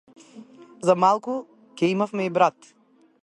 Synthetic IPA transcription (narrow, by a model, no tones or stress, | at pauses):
zamalˠku | kʲɛimafmɛibɾat̪